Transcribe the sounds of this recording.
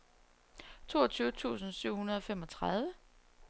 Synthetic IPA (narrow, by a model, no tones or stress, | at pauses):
t͡sʰo̝̰ːɒt͡sʰyːʊt͡sʰṵːsn̩syʊ̰hunɐðˠɒ̽fem̰ɒ̽t͡sʰʁaðˠʋə